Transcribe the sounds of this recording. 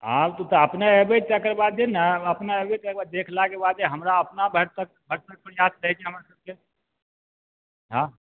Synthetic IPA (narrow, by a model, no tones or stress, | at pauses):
ɦãt̪ot̪ɔəpnaebeʈt̪akəɾbad̪d͡ʒenaəpnaebet̪ekbad̪̚d̪ekʰlakebad̪eɦəmɾaəpnabʱəɾt̪ək̚bʱəɾt̪ək̚pəɾjat̪ɾəɦɛt͡ʃʰɛɦəmɾasəb̚ke | ɦã